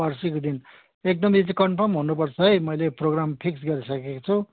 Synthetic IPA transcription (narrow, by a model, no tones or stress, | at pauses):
ʌrsikod̪in | ek̚d̪ʌmit͡skʌɳpʰʌmɦunup̬ʌrt͡sʰʌɦʌjmʌjleproɡrampʰiks̬ɡʌɾisʌkekot͡sʰu